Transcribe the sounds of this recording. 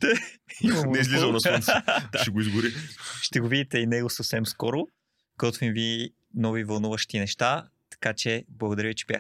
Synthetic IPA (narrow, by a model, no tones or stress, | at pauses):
t̪ɛimɐnɛizlizɐlˠnɐsnsd̪ʃʃɛɡoizɡʊɾiʃt̪ɛɡovid̪it̪ɛinɛɡʊsəfsɛmskɔɾʊ | ɡɔt̪vimvi | nɔvivɐlˠnuvəʃt̪inɛʃt̪a | t̪ɐ̥kat͡ʃɛblˠɐɡod̪ɐɾjəvit͡ʃɛ̥b̥ja